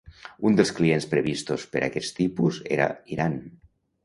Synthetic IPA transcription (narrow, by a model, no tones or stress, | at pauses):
und̪elˠsklienspɾeβist̪ospeɾʔa̰kɛst̪ipuzḛɾa̰iɾan